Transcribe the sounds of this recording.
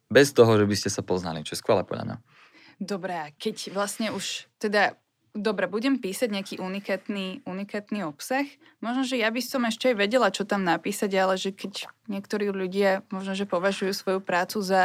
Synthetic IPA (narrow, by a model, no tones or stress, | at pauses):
bɛst̪ɔɦɔʒɛbiscɛsapɔzna̰lit͡ʃɔjɛskʋɛlɛ̰pɔ̰ɟ̰l̰a̰mɲa̰ | d̪ɔbɾɛakɛcʋlasɲɛuʃt̪ɛd̪a | d̪ɔbɾɛbuɟɛmpiːsaɟɲɪakiːʔunikaːt̪niːunikaːt̪niɔpsax | mɔʒnɔʒɛjabisɔmɛʃcɛajʋɛɟɛlat͡ʃɔt̪amnapiːsaɟalɛʒɛkɛɟɲɪɛkt̪ɔɾiːʎuɟɪamɔʒnɔʒɛpɔʋaʒujuːsʋɔjupɾaːt͡suza